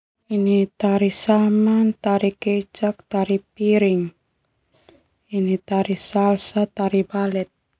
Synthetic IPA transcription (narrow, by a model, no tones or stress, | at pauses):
init̪aɾisamant̪aɾiket͡ʃak̚t̪aɾipiɾɪŋ | init̪aɾisalsat̪aɾibalɛt̪̚